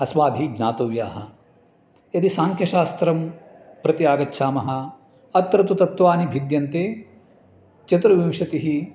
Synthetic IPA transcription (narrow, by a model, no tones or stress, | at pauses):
ɐsʋaːbʱiɡnaːt̪oːʋja̰ːɦɐ | ɐd̪isaːŋkʰjɐʃaːst̪ɾɐm | pɾɐt̪ijaːɡɐtːʃʰaːmɐɦɐ̆ | ɐt̪ːɾɐt̪ut̪ɐt̪ʋaːnibʱid̪jɐnt̪eː | t͡ʃɐt̪ɾɐʋimʂɐt̪iɦi